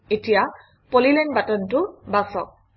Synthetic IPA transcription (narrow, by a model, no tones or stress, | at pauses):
etija | polilɛnbatɔntʊbasɔk̚